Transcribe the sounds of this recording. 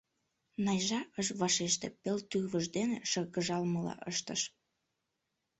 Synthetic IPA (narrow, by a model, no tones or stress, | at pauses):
nɑjʒɑʔəʃβɑʃeʃt̪epelt̪yβəʒd̪eneʃəɣəʒɑlməlɑ̰ʔəʃt̪əʃ